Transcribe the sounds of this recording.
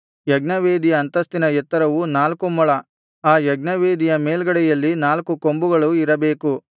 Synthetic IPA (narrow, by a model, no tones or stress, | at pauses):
jɐɡnɐʋeːd̪ijɐːnt̪ɐst̪inɐjɛt̪ːɐɾɐʋunaːlkumɐɭɐ | aːjɐɡnɐʋeːd̪ijɐmeːlɡɐɽɛjɐlːinaːlkuko̞mbuɡɐɭuiɾɐbe̞ːku